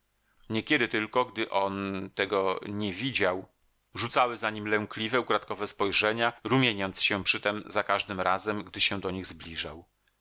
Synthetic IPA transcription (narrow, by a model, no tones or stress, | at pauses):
ɲɛkʲɛd̪ɘt̪ɘlkɔɡd̪ɘʔɔnt̪ɛɡɔɲɛvʲid͡ʑaw | ʐut̪sawɘzaɲimlɛŋklʲivɛukɾat̪kɔvɛspɔjʐɛɲaɾumʲjeɲɔnt̪sɕɛpʂɘt̪ɛmzakaʐd̪ɘmɾazɛmɡd̪ɘɕɛ̃d̪ɔɲiɣzblʲiʐa̰w